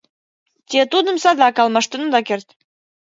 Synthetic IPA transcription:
t̪ʲet̪ud̪ə̆msɑd̪ɑkɑlmɑʃt̪ə̆nəd̪ɑkert̪

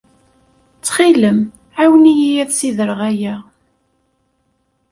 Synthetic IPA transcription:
t͡sːχiləm | ʕawənijijæðsiðəɾʁæjæ

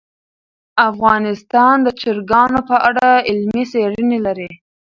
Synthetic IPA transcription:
afɣɑnɪst̪ɑnd̪ət͡ʃɪɾɡɑnopəʔaɽaɪlmiseɽənelaɾi

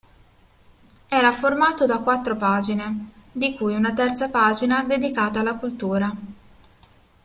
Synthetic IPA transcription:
ɛːɾaformaːt̪od̪akːwat̪ːɾopaːd͡ʒined̪ikujunat̪ɛrt̪sapaːd͡ʒinad̪ed̪ikaːt̪aːlːakult̪uːɾa

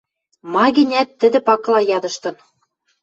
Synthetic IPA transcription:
mɑɣɘ̆nʲæt̪ːɘ̆d̪ɘ̆pɑklɑjɑd̪ɤ̆ʃt̪ɤ̆n

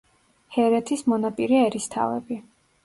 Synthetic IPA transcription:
hɛɾɛt̪ʰismɔnapʼiɾiɛɾist̪ʰa̰vɛ̰bi

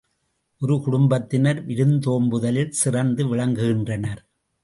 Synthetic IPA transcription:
ʔɔɾɯkʊɽʊmbɐt̪ːɪnɐɾʋɪɾɯnd̪oːmbɯðɐlɪlsɪrɐnd̪ɯʋɪɭɐŋɡɯɣɪndrɐnɐɾ

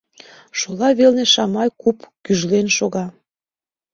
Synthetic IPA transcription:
ʃolɑβelneʃɑmɑjkupkyʒlenʃoɣɑ

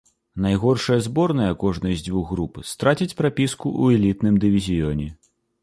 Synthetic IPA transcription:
najɣɔrʂɐjɐzbɔrnɐjɐkɔʐnɨjzʲd͡zʲvuɣːɾupɨst̪ɾat͡sʲit͡sʲpɾapʲiskuʔuɛlʲit̪nɨmd̪ɨvʲizʲijɔnʲɛ

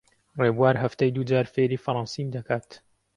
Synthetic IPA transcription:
reːbuaːɾɦɐft̪ajd̪ud͡ʒaːɾfeɾiːfɐɾˤɑːnsiːmd̪ɐkʰaːt̪

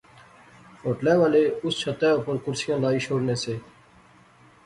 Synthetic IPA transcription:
hoːʈlɛːʋaːleːʊst͡ʃʰət̪ɛːopəɾkʊɾsɪjãːlaːiːʃoːɽneːseː

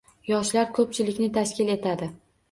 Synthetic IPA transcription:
jɒʃlaɾkʰɵp̚t͡ʃʰɪlɪkʲnɪt̪ʰaʃkʲɪle̞t̪ʰad̪ɪ

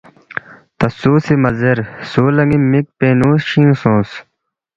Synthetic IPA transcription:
t̪ɐsuːsimɐzeɾsoːlɐŋimik̚peːnuːsɕĩsõːs

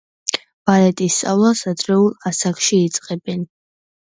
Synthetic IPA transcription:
b̥alɛt̪ʼist̪sʼavlˠasad̪ɾɛulˠasakʃiːt̪sʼqʼɛbɛn

